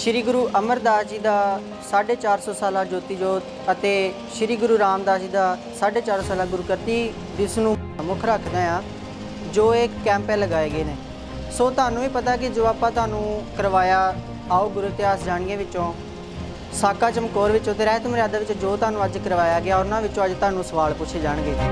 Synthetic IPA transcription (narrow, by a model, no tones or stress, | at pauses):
ʃɪɾiːɡʊɾuːʔəməɾd̪aːd͡ʒiːd̪aː | saːɖeːt͡ʃaːɾsɔːsaːlaːd͡ʒoːt̪iːd͡ʒoːt̪ | ət̪eː | ʃɪɾiːɡʊɾuːɾaːmd̪aːd͡ʒiːd̪aː | saːɖeːt͡ʃaːɾsoːsaːlaːɡʊɾuːkəɾt̪iː | d̪ɪsnũːmʊkʰɾəkʰd̪ẽːãː | d͡ʒoːekːɛ̃ːmpɛ̃ːləɡaːeːɡeːneː | soːt̪ʊaːnũːiːpət̪aːkɪd͡ʒoːaːpãːt̪ʊaːnũːkəɾʋaːjaː | aːoːɡʊɾʊt̪ɪaːsd͡ʒaːɳɡãːʋɪõː | saːkaːt͡ʃəmkoːɾʋɪt͡ʃːõːt̪eːɾɛːt̪ʊmɾjaːd̪aːʋɪt͡ʃːd͡ʒoːt̪aːnũːəd͡ʒkəɾʋaːjaːɡɪaːɔːɾʊnãːʋɪt͡ʃːõːəd͡ʒt̪aːnũːsəʋaːlpʊt͡ʃʰeːd͡ʒaːɳ̃ɡeː